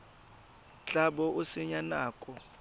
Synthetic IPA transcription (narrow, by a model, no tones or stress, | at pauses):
t͡ɬʼaɓɔʔusɪɲanaːkʼɔ